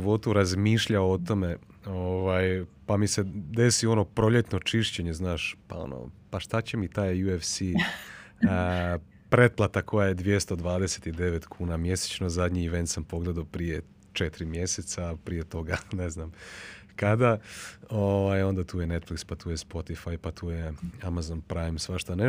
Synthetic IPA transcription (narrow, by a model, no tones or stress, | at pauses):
iʋo̞t̪uɾazmiːʃʎaoot̪o̞me̞ | oʋaːjpamise̞d̪e̞sio̞no̞pɾo̞ʎe̞t̪not͡ʃiʃt͡ɕe̞ɲe̞znaːʃpa̰o̰no̰paʃt̪at͡ɕe̞mit̪aːjjuefsi | pɾe̞t̪̚plˠat̪akʰo̞jaje̞d̪ʋje̞st̪o̞d̪ʋaːd̪e̞se̥t̪id̪e̞ʋet̪kʰuːnamje̞se̥t͡ɕnozad̪ɲiːʋent̪sampo̞ɡled̪aopɾije | t͡ʃet̪iɾimje̞set̪sapɾije̞t̪o̞ɡane̞znam | kad̪aoʋajo̞nd̪at̪uːjene̞t̪flikspat̪uːjespo̞t̪ifajpat̪ʰuːjeamazonpɾajmsʋaʃt̪ane